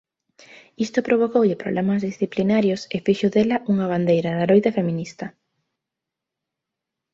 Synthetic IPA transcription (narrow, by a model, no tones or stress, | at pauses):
ist̪opɾoβ̞okowʎɪpɾoβlʔemɐzðisθiplinaɾjosefiʃoðelɐʔuŋɐβ̞and̪ejɾɐðaɾojðɐfemĩnist̪ɐ